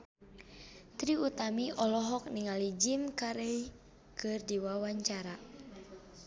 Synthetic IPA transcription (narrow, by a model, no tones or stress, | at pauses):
t̪ɾiut̪amiʔɔlɔɦɔk̚niŋalid͡ʒimkaɾɛi | kɨrdiwawaɲt͡ʃaɾa